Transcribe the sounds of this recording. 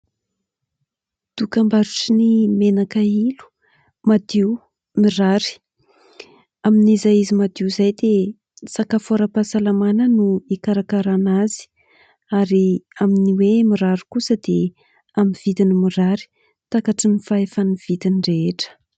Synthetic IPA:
d̪̥ukambaɾuʈ͡ʂinimenakailu̥ | mad̪iw | miraɾi̥ | aminizaizimad̪iuzajd̪e | sakafoɾəpasalamanənuikaɾakaɾanazi̥ | aɾiaminiwemiɾaɾikusəd̪e | amiv̥it̪inimiraɾi̥ | t̪akaʈ͡ʂinifaefaniv̥it̪inɖ͡ʐeeʈ͡ʂə̥

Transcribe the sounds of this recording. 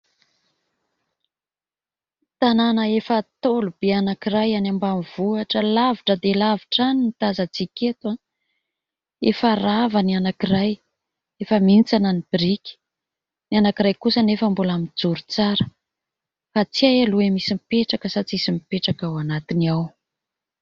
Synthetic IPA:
t̪ananəefət̪olub̥eanakiɾajanambamiv̥uaʈ͡ʂəlaviʈ͡ʂəd̪elaviʈ͡ʂaninit̪azət͡siket̪wa | efaravanianakiraj | efəmint͡sananib̥iɾikʲi̥ | nianakirajkusənefəmbulamid͡zuɾut͡saɾə̥ | fat͡siajaluemisimipeʈ͡ʂakəsat͡sisimipeʈ͡ʂakawanat̪iniaw

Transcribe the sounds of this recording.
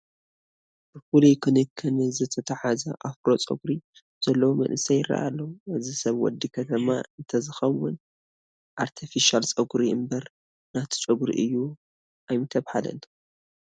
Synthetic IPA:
b̥ɨfulikʰɨnikʰːɨnɨzɨt̪ʰɐt̪ʰɐħazɐʔafɾo̞t͡sʼɐ̰ɡuɾi | z̥ɐlːɐwumɐ̰nʔɨsɐjɪrːa̰ʔa̰lːɐwuazisɐβwɔ̰d̪ːikʰɐt̪ʰɐmaɨnt̪ʰɐzɨxɐwʊn | ʔaɾt̪ʰifiʃalt͡sʼɐɡuɾiɨmbɐɾ | nat̪ʰi̥t͡ʃʼɨɡuɾḭʔɨjːu | ajmɨt̪ʰɐβhalɐ̰n

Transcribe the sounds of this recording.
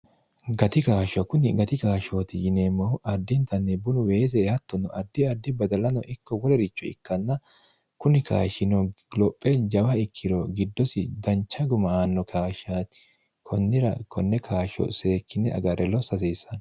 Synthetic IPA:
ɡɐt̪ɪkaːʃɔkʊnɪɡɐt̪ɪkaːʃoːt̪ɪjɪneːmːɔʔɐd̪ːɪnt̪ɐnːɛbʊnʊweːs̬ɛhɐt̪ːɔnɔʔɐd̪ːɪɐd̪ːɪbɐd̪ɐlɐnɔ̰ʔɪkːɔwɔlɛɾɪt͡ʃːɔɪ̰kːɐnːɐ | kʊnɪkʰa̰ːʃɪnɔlɔpʼːɛd͡ʒɐwɐɪkʰːɪɾɔɡɪd̪ːɔsɪd̪ɐnt͡ʃːɐɡʊmɐanːɔkʰaːʃaːt̪ɪ̥ | kʰɔnːɪɾɐ̰kʰɔnːɛkʰaːʃɔ̰seːkːɪnɛʔɐ̰ɡɐɾɛlɔsɐs̬iːsɐn

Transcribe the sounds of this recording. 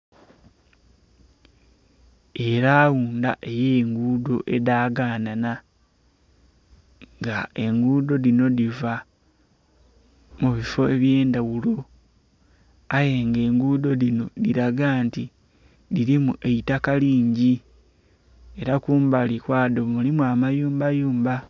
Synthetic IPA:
e̞ɾaːwuːndaʔe̞jeŋɡuːdo̞ʔe̞daːɡaːnana | ŋɡae̞ŋɡuːdo̞lino̞diva | muβifo̞eβje̞ːndawulo̞ | aje̞ŋɡe̞ːŋɡudo̞lino̞diɾaɡanti | liɾimuʔe̞itakaliːɲɟi | e̞ɾakuːmbalikwaːdomulimuamajuːmbajuːmba

